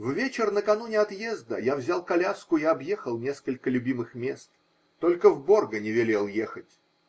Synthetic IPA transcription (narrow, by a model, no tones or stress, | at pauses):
vvʲet͡ɕɪrnəkɐnunʲɪɐt̪jezd̪ə̰javzʲalˠkɐlʲaskʊiɐbje̞xəlˠnʲe̞skəlʲkəlʲʊbʲimɨxmʲe̞st̪ | t̪olʲkəvbo̞rɡənʲɪvʲɪlʲelˠjexətʲ